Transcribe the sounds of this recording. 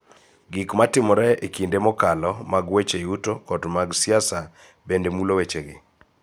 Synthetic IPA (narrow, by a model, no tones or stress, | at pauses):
ɡikmatɪmɔɾɛekindemɔkalɔmaɡwet͡ʃejutokɔdmaɡsɪasa | bendemulowet͡ʃeɡɪ̰